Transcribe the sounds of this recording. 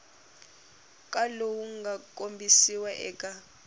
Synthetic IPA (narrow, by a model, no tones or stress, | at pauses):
kʼalowuŋɡʱakʼombʱisiwɛʔɛːkʼa